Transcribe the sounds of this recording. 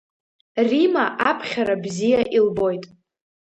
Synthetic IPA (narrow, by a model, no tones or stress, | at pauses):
rimaʔapʰχʲaɾabzijaʔilbo̞jtʼ